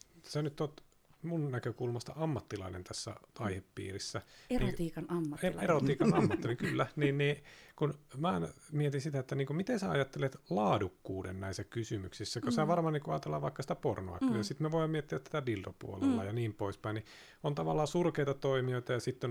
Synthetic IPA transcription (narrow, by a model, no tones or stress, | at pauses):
senyt̪ːoːt̪ | munnækøkulmɑst̪ɑ̰ɑmːɑt̪ːilɑ̰inḛnt̪ʰæsːæ̰ɑihepːḭːrisːænit̪iːkɑnɑmːɑeerot̪iːkɑnɑmːɑt̪ːiliŋkylːæniːnniːkunmænmiet̪insit̪æet̪ːæniːŋkumit̪ensæɑjɑt̪ːelet̪lɑːdukːuːdḛnnæisːækysymyksisːækosæʋɑrmɑniːŋkuɑːt̪elːɑ̰ʋʋɑikːɑsit̪æporno̰ɑ̰kːyjɑsit̪meʋoiɑmmiet̪ːiæt̪t̪æt̪æbild̪opṵo̰lḛlːɑjɑniːmpoispɑini | ont̪ɑʋɑlːɑːsurkeit̪ɑt̪oimioit̪ɑjɑsit̪ːon